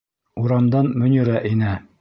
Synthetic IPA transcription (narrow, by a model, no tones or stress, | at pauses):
uɾɑmd̪ɑnmɵ̆nʲĭɾæʔinɘ